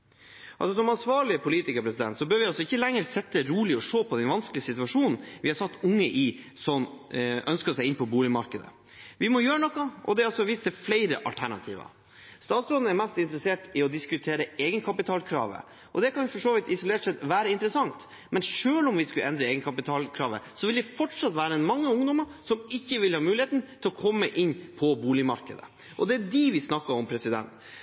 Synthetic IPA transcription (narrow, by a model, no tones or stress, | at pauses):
ʔɑlsɔsɔmɑnsʋɑːɭɪəpʰʊliːt̪ɪkəɾpʰɾɛsɪd̪ɛ̰nt̪sɔbøːɾʋɪɑlsɔɪçːəlɛŋːəɾsɛt̪ːəɾuːlɪɔʂoːpʰɔd̪ɛnʋɑnsklɪəsɪt̪ʉʋɑʂuːnn̩ʋɪhɑɾsɑt̪ːʊŋːəʔɪ | sɔnœnskəsɛɪɪnpʰɔbuːlɪmɑɾkəd̪ə̰ | ʋɪmɔjøːɾənɔkːɑʔɔ̰d̪ɛɑlsɔʋɪst̪ɛflæɪɾəʔɑ̰lt̪ʰæɳɑt̪ʰḭːʋɑ̰ | st̪ɑːt̪sɾɔd̪n̩ɛɾmɛst̪ɪnt̪ɾəseːʈɪɔd̪ɪskʉt̪ʰeːɾəeːɡənkʰɑpɪt̪ʰɑːlkʰɾɑ̰ːʋə̰ | ʔɔ̰d̪ɛkʰɑnfɔʂoːʋɪt̪ɪsɔleːʈsɛt̪ʋæːɾəɪnt̪əɾəsɑŋt̪ | mɛnʂøːlɔmʋɪskʉʔɛnd̪ɾəeːɡənkʰɑpɪt̪ʰɑːlkʰɾɑːʋə̰sɔʋɪld̪ɛfɔʈʂɑt̪ːʋæːɾəɛnmɑŋːəʊŋd̪ɔməɾʂɔmɪçːəʋɪlhɑːmʉːlɪheːt̪nt̪ʰɪlɔkʰɔmːəʔɪnːpʰɔbuːlɪmɑ̰ɾkəd̪ə̰ | ʔɔd̪ɛæɖiʋɪsnɑkːɑɾɔmpʰɾɛsɪd̪ɛ̰nt̪